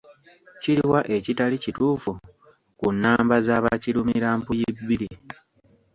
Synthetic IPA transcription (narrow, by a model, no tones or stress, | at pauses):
ciɾiwaʔe̞citalicituːfu | kunːaːmbazaːβa̰cilumiɾaːmpujibːiɾi